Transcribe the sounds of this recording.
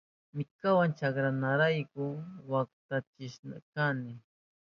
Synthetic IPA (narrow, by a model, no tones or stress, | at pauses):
mɪkawant͡ʃakɾanaɾajkʊwak̚t̪at͡ʃɪʃna̰kanɪ